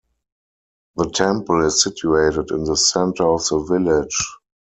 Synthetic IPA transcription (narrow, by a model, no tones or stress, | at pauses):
ðətʰɛ̃mpəl̩ɪsːɪtʰjueɪtətɪ̃nðəsɛ̃ntə˞ɔfðəvɪlɪ̥d͡ʒ